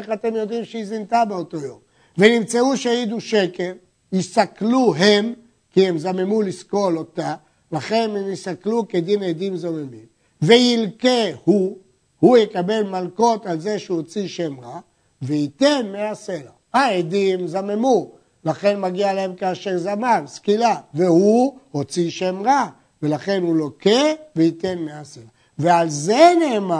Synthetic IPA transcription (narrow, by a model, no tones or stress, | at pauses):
eχat̪e̞mjo̞d̪imʃeizint̪abeot̪o̞jo̞m | ve̞nimt͡seuʃeajid̪uʃe̞ke̞l | jistakluɦem | kiemzamemulisko̞lo̞t̪a | laχe̞nemistakluked̪ined̪imzomemim | ve̞jilkehu | hujekabe̞lmalko̞talze̞ʃehot͡siʃe̞mʁa | veit̪e̞nmease̞la | aed̪imzamemu | laχe̞nmaɡialaemkaːʃeʁzamanskilave̞huho̞t͡siʃe̞mʁa | velaχe̞nhulo̞ke̞veitenmeasela | vealze̞neːma